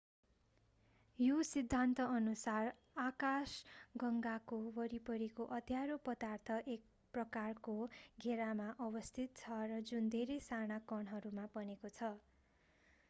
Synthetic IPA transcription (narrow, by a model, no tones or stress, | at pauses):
josid̪ʱːant̪ʌʌnusar | akasɡʌŋɡakobʌɾipʌɾikoʔʌd̪ʱjaɾopʌd̪art̪ʰʌʔek̚ | prʌkarkoɡʱeɾamaʔʌbʌst̪ʰit̪̚t͡sʰʌrʌd͡zund̪ʱeɾʌjsaɽ̃akʌɳɦʌɾumapʌnekot͡sʰʌ